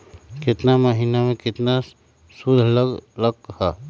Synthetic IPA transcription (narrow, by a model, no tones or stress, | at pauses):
kɪt̪namɐɦiːnamẽkɪt̪na | sud̪ʱlləkha